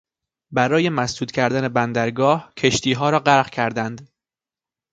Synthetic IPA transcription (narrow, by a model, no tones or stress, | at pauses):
bæɾɒːje̞mæsd̪uːd̪cʲʰæɾd̪æne̞bænd̪æɾɡɒːhcʰe̞ʃt̪iːɦɒːɾɒːɢæɾɣcʰæɾd̪ænd̪